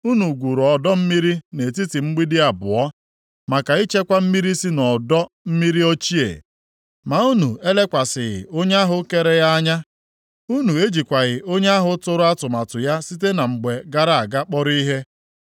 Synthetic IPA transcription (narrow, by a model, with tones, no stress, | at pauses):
u˦nu˨ɡʷu˨ɾɔ˨dɔ˦m̩˦mi˦ɾi˦ne˨ti˦ti˨ŋ͡m̩˦ɡ͡bi˦dɪ˦a˨bʊ̰˨ɔ˦ | ma˨ka˨i˦t͡ʃe˦kʷa˦m̩˦mi˦ɾi˦si˦nɔ˨dɔ˦ | m̩˦mi˦ɾi˦o˦t͡ʃi˦ḛ˨ | ma˨u˦nu˨e˦le˦kʷa˨sɪ˨ɣɪ̰˨o˦ɲe˦a˦ɦʊ˦ke˦ɾe˦ja˦ɲa˦ | u˦nu˨e˦d͡ʒi˨kʷa˨ɣɪ˨o˦ɲe˦a˦ɦʊ˦tʊ˦ɾʊ˦a˦tʊ˨ma˨tʊ˨ja˦si˦te˦na˨ŋ͡m̩˨ɡ͡be˨ɡa˦ɾa˦˨a˨ɡa˦k͡pɔ˦ɾi˦ɦe˦